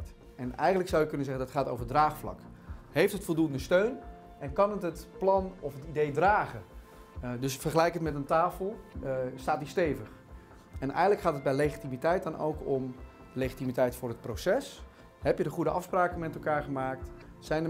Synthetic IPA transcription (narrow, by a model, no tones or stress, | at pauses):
ɛnɛ̰jxəndləksɑwjɪkɵnəzɛχəndɑtχaːtoːwvərdraːχflɑ̰k | hejftɦətfɔlˠduəndəstøɥn | ɛnkɑnətətplɑnɔfətidejdraːχə | døsfərχəlɛjkətmɛtəntaːfəl̩ˠstaːtdisteːvəχ | ɛnʔɛ̰jɣədləkχaːtəd̚bɛjleːχitimitɛjt̚dɔnʔo̰wkɔm | leːχitimitɛjtfʊːrət̚prosɛs | hɛpjədəχudəʔɑfspraːkəmɛtlˠkaːɹχəmaːk̚t | sɛjnə